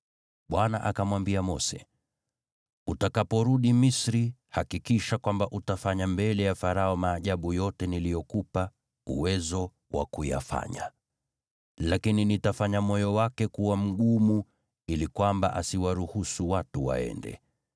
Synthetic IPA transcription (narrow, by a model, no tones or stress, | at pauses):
ɓwana̰ʔakamwambiamɔsɛ | utakapɔɾuɗimisɾihakikiʃakwambaʔutafaɲambɛlɛjafaɾaɔmaːʄaɓujɔtɛnilijɔkupa | ṵwɛzɔ | wʔa̰kuja̰fa̰ɲa̰ | lakininitafaɲamɔjɔwakɛkuwam̩ɠumu | ilikwamba̰ʔasiwaɾuhusuwatuwa̰ɛ̰ndɛ̰